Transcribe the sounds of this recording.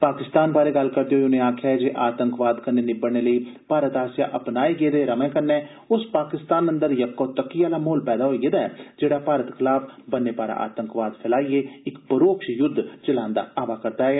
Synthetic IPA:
paːkɪst̪aːnbaːɾeːɡəlkəɾd̪eoiʊnẽːaːkʰjaːɛd͡ʒeʔaːt̪əŋkʋaːd̪kənːeːnɪbəɽɳ̃eːləiːpaːɾət̪aːsja̰ːʔəpnaːiɡeːd̪eːɾəmẽːkənɛː | ʊspaːkɪst̪aːnə̃nd̪əɾjəkːoːt̪əkːɪjaːlaːmoːlpɛːd̪aːɦoːied̪aɛːd͡ʒeːɽaːpaːɾət̪kʰɪlaːpʰbənːeːpaːɾa̰ːʔa̰ːt̪əŋkʋaːd̪pʰɪlaːiːeːɪkpəɾoːkʃjʊd̪ʱt͡ʃəlãːnd̪a̰ːaːʋaːkəɾd̪aːɦeː

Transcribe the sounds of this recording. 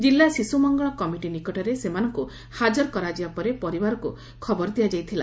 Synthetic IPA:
d͡ʒilːasisumɔŋɡɔɭɔkɔmiʈinikɔʈɔɾesemanɔŋku | had͡ʒɔɾkɔɾad͡ʒibapɔɾepɔɾibaɾɔku | kʰɔbɔɾd̪ijad͡ʒajt̪ʰila

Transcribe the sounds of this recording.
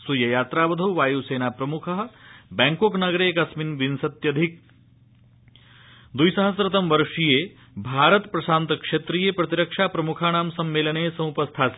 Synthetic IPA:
sujɐjaːt̪ɾaːʋɐd̪ʱɐwʋaːjuːseːnaːpɾɐmukʰɐɦɐ̆bɛːŋkoːknɐɡɾeːkasminʋinsɐt̪jɐd̪ʱik̚ | d̪ujsɐɦɐsɾɐt̪ɐmʋɐɾʂijeː | bʱaːɾɐt̪pɾɐsaːnt̪kʂet̪ɾijeːpɾɐt̪iɾɐkʂaːpɾɐmukʰaːnaːmsɐmːeːlɐneːsɐ̃m̃upɐst̪ʰaːs

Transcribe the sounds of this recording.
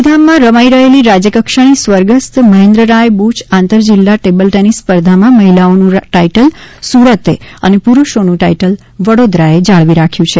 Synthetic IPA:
pd̪ʱamːãɾəmaiɾəɦeliɾad͡ʒjəkəkʃaɽ̃isʋəɾɡəst̪məɦẽnd̪ɾəɾajbut͡ʃʰãnt̪əɾd͡ʒilːaʈebəlʈɛnispəɾd̪ʱamãməɦilaonũʈaiʈəlsuɾət̪eənepuɾuʃonũʈaiʈəl | ʋəɽod̪ɾaed͡ʒaɭʋiɾakʰjũt͡ʃʰe

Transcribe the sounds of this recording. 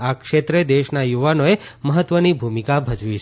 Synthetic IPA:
akʃet̪ɾed̪eʃnajuʋanoeməɦət̪ʋənibʱumikabʱəd͡ʒʋit͡ʃʰ

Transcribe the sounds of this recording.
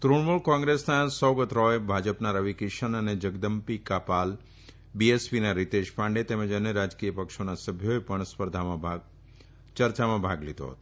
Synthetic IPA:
t̪ɾuɳmuɭkɔ̃ŋɡɾesnasəwɡət̪ɾɔebʱad͡ʒəpnaɾəʋikiʃənəned͡ʒəɡd̪əmpikapal | biespinaɾit̪eʃpãɳɖet̪eməd͡ʒənjəɾad͡ʒkijəpəkʃonasəbʱjoepəɳspəɾd̪ʱamã | t͡ʃəɾt͡ʃamãbʱaɡlit̪o̰ɦə̰t̪o

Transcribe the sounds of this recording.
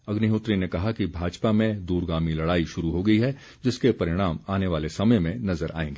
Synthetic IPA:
ɐɡniɦʊt̪ɾinekɐɦakibʱaːd͡ʒpamẽd̪uːɾɡaːmilɐɽaːiʃʊɾuɦoɡɐiɦɛ | d͡ʒɪskepɐɾɪɽ̃aːmaːneʋaːlesɐməjmẽnɐzəɾʔa̰ːḛ̃ːŋɡeː

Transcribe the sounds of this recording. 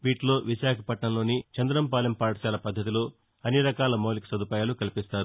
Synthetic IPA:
ʋiːʈlo̞ːʋiʃaːkʰɐpɐʈɳɐmlo̞ːnit͡ʃɐnd̪ɐɾɐmpaːljɐmpaːʈɐʃaːlɐpɐd̪ʱːɐt̪̬iloː | ɐnːiɾɐkaːlɐmoːlikɐ̥sɐd̪upaːjaːlukɐlipist̪aːɾu

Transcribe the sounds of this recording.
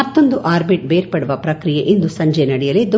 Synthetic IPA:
ɐt̪ːo̞nd̪uʔaːɾbiʈ̚beːɾpɐɽuʋɐpɾɐkɾijeʔind̪usɐɲd͡ʒenɐɽɛjɐled̪u

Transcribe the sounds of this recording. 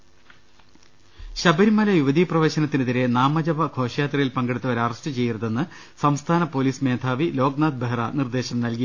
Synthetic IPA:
ɕɐbɐɾimɐlɐjuʋɐd̪iːprɐʋe̞ːɕɐnɐt̪ːinuðiɾe̞naːmɐd͡ʑɐʋɐkʰo̞ːʂɐjaːt̪rɐjilpɐŋɡeɽut̪ːɐʋɐɾɐrɐsʈɨt͡ɕe̞jːiɾɐðe̞nːɨ | sɐmst̪ʰaːnɐpo̞ːliːsme̞ːd̪ʱʰaːʋilo̞ːɡnaːd̪̚beɦrɐnird̪e̞ːɕɐmnɐlki

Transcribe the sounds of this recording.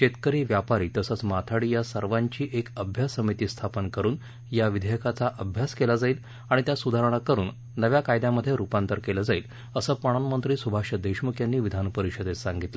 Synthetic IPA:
ɕet̪kəɾiːʋjapaɾiːt̪əsət͡smat̪ʰaɽiːjasəɾʋaɲt͡ɕiːʔekəbʱjasːəmit̪iːst̪ʰapənkəɾuːn | jaʋid̪ʱejkat͡saʔəbʱjaskelad͡zaiːl | aɽ̃it̪jasud̪ʱaɾəɳ̃akəɾuːnː | əʋjakajd̪jaməd̪ʱːjeɾupant̪əɾkeləd͡zaiːl | əsəːpəɽ̃anmənt̪ɾiːsubʱaɕəd̪eɕmukʰjanːiːʋid̪ʱanpəɾiɕəd̪et͡ssaŋɡit̪lə

